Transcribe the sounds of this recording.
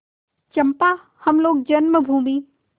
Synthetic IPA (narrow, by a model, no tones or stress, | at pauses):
t͡ʃɐmpa | hɐmloːɡ̚d͡ʑɐnməbʱũːmiː